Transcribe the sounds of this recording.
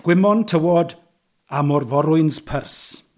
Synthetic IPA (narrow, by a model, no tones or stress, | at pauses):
ɡ̥wɪmɔntʰəwɔd | amɔrvɔɾʊɨnspʰərs